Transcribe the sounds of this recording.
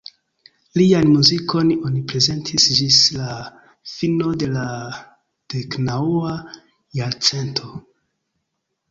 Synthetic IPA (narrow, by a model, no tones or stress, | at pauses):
lianmuziko̞nonipɾe̞ze̞ntʰisd͡ʒisla | fino̞de̞la | d̥e̞knaua | jaɾt͡se̞ntʰo̞